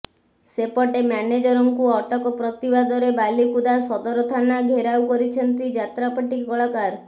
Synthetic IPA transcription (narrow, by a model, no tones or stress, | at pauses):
sepɔʈemaned͡ʒɔɾɔŋkuɔʈɔkɔpɾɔt̪ibad̪ɔɾebalikud̪asɔd̪ɔɾɔt̪ʰanaɡʱeɾawkɔɾit͡ʃʰɔnt̪id͡ʒat̪ɾapɔʈikɔɭɔkaɾ